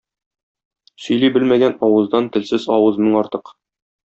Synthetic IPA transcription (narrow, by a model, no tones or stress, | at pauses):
sɵ̆jlibɘlmæɡænɒwɤ̆zd̪ɑnt̪ɘ̆lsɘzɒwɤzmɘŋɒɾt̪ɤq